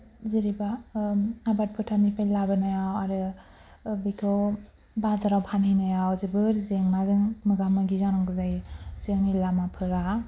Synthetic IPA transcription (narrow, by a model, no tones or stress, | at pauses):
ziɾiba | abat̚pʰɯtʰamipʰajlabɯnajawaɾɯ | bɯkʰɔ | bazaɾawpʰanijnajawzɯbɯɾzeŋnazɯŋmɯɡamaɡizanɯŋɡɯzajzeŋnilamapʰɯɾa